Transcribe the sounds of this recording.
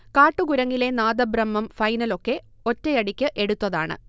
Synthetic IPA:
kaːʈːuɡuɾɐŋːile̞naːd̪ɐbrɐmːɐmfɐjnɐlo̞kːe̞ | o̞tːejɐɽikʲːɨʔe̞ɽut̪ːɐðaːɳɨ̰

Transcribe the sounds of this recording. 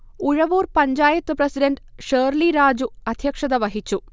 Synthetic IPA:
uɻɐʋuːrpɐɲd͡ʑaːjɐt̪ːuprɐsiɖɐnɖʂeːrliɾaːd͡ʑuɐd̪ʱjɐkʂɐðɐʋɐɦit͡ɕːu

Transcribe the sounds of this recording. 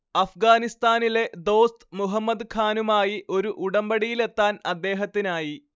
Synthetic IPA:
ɐfɡaːnist̪aːnile̞d̪o̞ːst̪muɦɐmːɐd̪kʰaːnumaːjiʔo̞ɾuʔuɽɐmbɐɽijile̞t̪ːaːnɐd̪ːe̞ːɦɐt̪ːinaːji

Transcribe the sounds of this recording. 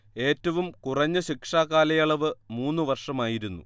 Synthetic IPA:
e̞ːtːɐʋumkurɐɲːɨɕikʂaːkaːlɐjɐɭɐʋɨmuːnːɨʋɐrʂɐmaːjiɾunːṵ

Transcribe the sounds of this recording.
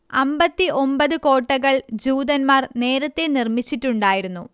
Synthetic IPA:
ɐmbɐt̪ːiʔo̞mbɐðɨko̞ːʈːɐɣɐɭd͡ʑuːd̪ɐnmaːrne̞ːɾɐt̪ːe̞nirmit͡ɕːiʈːuɳɖaːjiɾunːu

